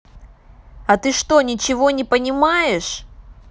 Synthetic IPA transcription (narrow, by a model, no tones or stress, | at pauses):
ɐt̪ɨʂt̪o̞nʲɪt͡ɕɪvo̞nʲɪpənʲɪmajɪʂ